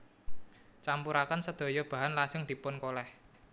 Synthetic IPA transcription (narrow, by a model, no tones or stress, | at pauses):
t͡ʃampuɾakənsəd̪̥o̤jɔb̥a̤ɦanlad͡ʒəŋd̪̥i̤pʊnkolɛh